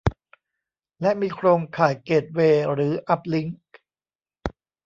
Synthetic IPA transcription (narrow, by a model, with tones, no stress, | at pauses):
lɛ˦˥ʔmiː˧kʰɾoː˧ŋkʰaː˨˩˦jkeː˨˩t̪̚weː˧ɾɯː˩˦ʔa˦˥p̚li˦˥ŋ